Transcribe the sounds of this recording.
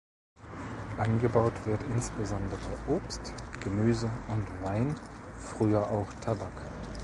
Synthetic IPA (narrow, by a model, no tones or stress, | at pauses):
ʔanɡəbaʊtv̥ɪɐtɪnsb̥əzɔndəʁəʔoːpstɡ̥əmyːzəʊntvaɪnfʁ̥yːɐʔaʊxtʰabak